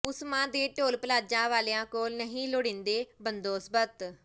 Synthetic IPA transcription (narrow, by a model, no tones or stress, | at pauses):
ʊsmãːd̪eːʈoːlpəlaːd͡ʒãːʋaːleːãːkoːlnəɦĩːloːɽɪ̃nd̪eːbənd̪oːsbət̪